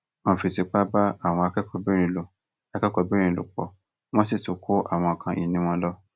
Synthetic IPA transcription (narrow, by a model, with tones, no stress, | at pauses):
õ˨fi˨ti˨˧k͡pa˦ba˦a˦˨w̃ɔ̃˧a˧kɛ˦kɔ˧bi˦ɾ̃ĩ˧˨lo˨ | a˧kɛ˦kɔ˨˧bi˦ɾ̃ĩ˧˨lo̰˨k͡pɔ˨ | w̃ɔ̃˦si˦˨tu˨˦kʰo˦ʔa̰˦˨w̃ɔ̃˧˨kã˧ʔi˨nĩ˨˦w̃ɔ̃˦lɔ˦